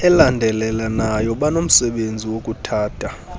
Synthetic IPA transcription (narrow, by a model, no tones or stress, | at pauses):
ɛlandʱɛlɛlanajɔɓanom̩sɛɓend͡zʱiwokʼutʰaːd̥ʱʼa